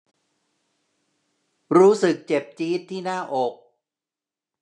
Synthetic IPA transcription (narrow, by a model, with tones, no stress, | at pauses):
ɾuː˦˥sɯ˨˩k̚t͡ɕe˨˩p̚t͡ɕiː˦˥t̪ʰːiː˥˩naː˥˩ʔo˨˩k̚